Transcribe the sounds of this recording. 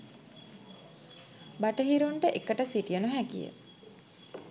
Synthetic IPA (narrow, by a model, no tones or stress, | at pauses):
baʈəɦiɾuɳʈəʔekːəʈəsiʈijənuɦækijə̰